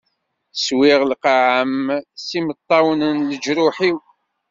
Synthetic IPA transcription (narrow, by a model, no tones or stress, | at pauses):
swɪʁlqaʕəmsimət̪ˤːɑwnənləd͡ʒɾʊħiw